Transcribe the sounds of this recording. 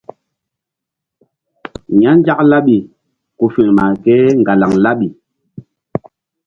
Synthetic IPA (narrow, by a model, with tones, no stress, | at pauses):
ɲa˦n˦d͡ʒa˦kla˦ɓi˨ | ku˨fi˨ŋma˨kɛ˦ŋ˨ɡa˨la˨ŋla˦ɓi˨